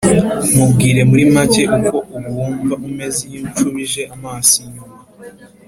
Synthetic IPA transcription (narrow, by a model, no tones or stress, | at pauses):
mubɡiːɾe̞muɾimace̞ʔuko̞ʔuβwuːɱvaʔume̞ziɲit͡ʃuβiʒe̞amaːsiɲuma